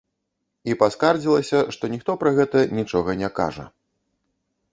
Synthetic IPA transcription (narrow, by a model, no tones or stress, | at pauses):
ipaskard͡zʲilˠɐsʲɐʂt̪ɔnʲixt̪ɔpɾɐɣɛt̪ɐnʲit͡ʂɔɣɐnʲɛka̰ʐɐ̰